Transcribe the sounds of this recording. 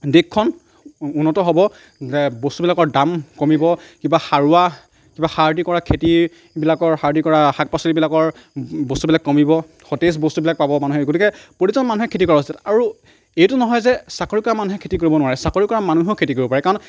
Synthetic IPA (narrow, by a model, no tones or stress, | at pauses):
dekʰːɔn | unːɔtɔɦobɔ | zɛbostubilakɔɹdamkomibɔkibaxaɹua | kibaxaɹdikɔɹakʰeti | bilakɔɹxaɹdikɔɹaxak̚pasɔlibilakɔɹ | bostubilakːɔmibɔ | xɔtes̬bostubilak̚pabɔmanuɦɛɡotikɛpotuzɔnmanuɦɛkʰːetikɔɹaɦosataɹu | ejtʊnɔɦɔjzɛsakoɹikɔɹamanuɦɛkʰetikoɹibɔnʊwaɹɛsakoɹikɔɹamanuɦokʰetikoɹibɔpaɹɛkaɹɔn